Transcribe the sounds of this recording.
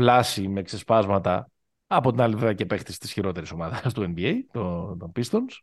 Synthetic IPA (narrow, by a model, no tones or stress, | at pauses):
plɐsime̞ːkse̞spɐzmɐt̪ɐ | ɐpo̞t̪inɐliveɐcepe̞xt̪ist̪isçiɾo̞t̪eɾiso̞mɐðɐst̪ue̞nbiejt̪ot̪opist̪ons